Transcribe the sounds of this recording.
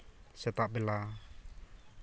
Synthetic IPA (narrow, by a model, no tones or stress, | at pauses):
sɛt̪aʔbela